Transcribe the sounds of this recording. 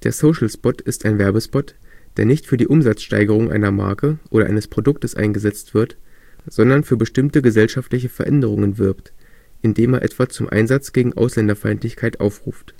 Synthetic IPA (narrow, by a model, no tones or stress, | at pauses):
d̥eːɐsoʊʃl̩spɔtɪstaɪnvɛɐbəspɔtd̥eːɐnɪçtfyːɐdiːʔʊmzat͡sʃta̰ɪɡəʁ̞ʊŋʔa̰ɪnɐma̰ɐkəʔoːɾɐʔa̰ɪnəspʁ̥odʊk̚təsʔa̰ɪnɡəzɛt͡stv̥ɪɐtz̥ɔndɐnfyːɐbəʃtɪmtəɡəzɛlʃaftlɪç̬əfɛɐʔɛ̰ndəʁ̞ʊŋənvɪɐptʔɪndeːmeːɐʔɛ̰tv̥at͡sʊmʔa̰ɪnzat͡sɡ̥eːɡŋ̩ʔa̰ʊslɛndɐfaɪntlɪçkʰaɪtʔa̰ʊfʁ̥uːft